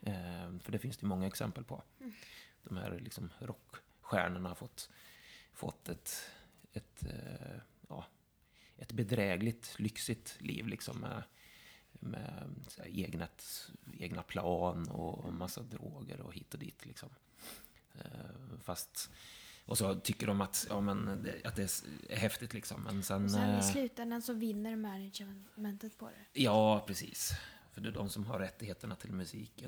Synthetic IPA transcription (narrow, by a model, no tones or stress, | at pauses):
fœɖæfɪnsd̪ɛjmɔŋːaɛksɛmpəlpʰɔ | d̪̥ɔmhæ̰ːɾlɪksɔmɾɔkː | ɧæːɳəɳahaɾfɔt̪ː | fɔ̰t̪ʰːɛt̪ɛt̪ | jɑ̰ː | ʔɛt̪bɛd̪ɾɛːɡlɪt̪lʏksɪt̪lʔḭːvlɪksɔmːɛ | mɛseːɡnaeːɡnapʰlɑːnɔ̰masːad̪ɾoːɡə̰ɾɔ̰hiːt̪ːɔd̪ḭːt̪ʰlɪksɔm | fast̪ʔɔsɔt̪ʰʏkːəɖɔmat̪jɑːmɛnd̪ɛat̪̚d̪ɛæ̰ɾhɛft̪ɪt̪lɪksɔmːɛnsɛnɪslʉ̟ːt̪ɛnd̪ənsɔvɪnːəɾmænɪd͡ʒmɛnt̪ət̪pʰɔd̪ɛ̰jɑːpʰɾɛsiːsfœɖɛdɔmsɔmɦaɾːɛt̪ːɪɡheːt̪əɳat̪ʰɪlmɵsiːkə